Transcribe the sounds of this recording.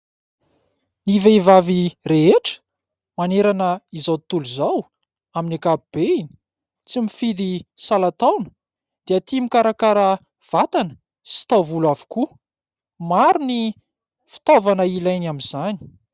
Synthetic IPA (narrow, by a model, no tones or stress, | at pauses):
niveivavireɦeʈ͡ʂə̥ | maneɾanəizawt̪uluzaw | aminakapib̥eini̥ | t͡simifid̪isalat̪awnə̥ | d̪̥eat̪imikaɾakaɾə | v̥at̪anə̥ | si̥t̪awvulavu̥ku | maɾuni | fi̥t̪ovanəilajnamiz̥ani̥